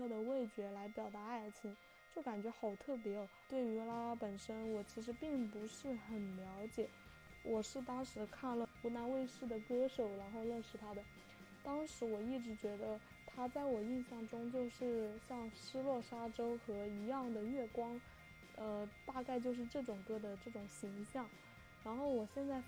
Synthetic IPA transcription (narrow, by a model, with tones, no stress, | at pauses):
d̪ə˩we˥˩ɪt͡ɕɥɛ˧˥la˧˥ɪpjɑ˨˩ʊt̪a˧˥a˥˩ɪt͡ɕʰi˥n | t͡ɕjo˥˩ʊka˨˩nt͡ɕɥɛ˧˥xɑ˨˩ʊt̪ʰɤ˥˩p̬jɛ˧˥˩t̪we˥˩ɪy˧˥la˥pə˨˩nʂə˥nwɔ˨˩t͡ɕʰi˧˥ʂ̬ɻ̩˧˥pi˥˩ŋpu˧˥ʂɻ̩˥˩xə˨˩nljɑ˧˥ʊt͡ɕjɛ˨˩˦ | wʔɔ˨˩ʂɻ̩˥˩t̪ɑ˥ŋʂɻ̩˧˥kʰa˥˩nlə˩xu˧˥na˧˥nwe˥˧ɪʂɻ̩˥˩d̪ə˩kɤ˥ʂo˨˩ʊɻa˧˥nxo˥˧ʊɻə˥˧nʂɻ̩˨˩t̪ʰa˥d̪ə˨ | t̪ɑ˥ŋʂɻ̩˧˥wɔ˨˩i˥˩ʈ͡ʂɻ̩˧˥t͡ɕɥɛ˧˥d̪ə˧ | t̪ʰa˥t͡sa˥˩ɪwɔ˨˩i˥˧nɕjɑ˥˩ŋʈ͡ʂʊ˥ŋt͡ɕjo˥˧ʊʂɻ̩˥˧ɕjɑ˥˧ŋʂɻ̩˥lwɔ˥˩ʂa˥ʈ͡ʂo˥ʊxɤ˧˥i˧˥jɑ˥˩ŋd̪ə˩ɥɛ˥˩kwɑ˥ŋ | ə˧t̪a˥˧ka˥˧ɪt͡ɕjo˥˧ʊʂ̬ɻ̩˥˧ʈ͡ʂɤ˥˩ʈ͡ʂʊ˨˩ŋkɤ˥˩d̪ə˨ʈ͡ʂɤ˥˩ʈ͡ʂʊ˨˩ŋɕi˧˥ŋɕjɑ˥˩ŋ | ɻa˧˥nxo˥˩ʊwɔ˨˩ɕjɛ˥˧nt͡sa˥˩ɪ